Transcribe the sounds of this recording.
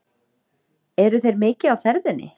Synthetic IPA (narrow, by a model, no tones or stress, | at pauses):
ɛɾʏθejɾmɪːcɪawfɛɾðɪnːɪ̰